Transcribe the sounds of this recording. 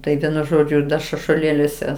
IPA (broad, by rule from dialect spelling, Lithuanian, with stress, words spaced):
tɐɪ ˈʋʲiɛnʊ ˈʒoːd͡ʒʲʊ dɐ ʃɐʃuɔˈlʲeːlʲuɔsʲɛ